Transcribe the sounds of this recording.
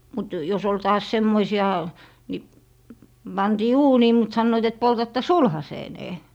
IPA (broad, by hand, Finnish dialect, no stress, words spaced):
mut jos ol tɑːs semːoisiɑ ni pɑntiː uːniː mut sɑnːoit et poltɑtːɑ sulhɑseːneː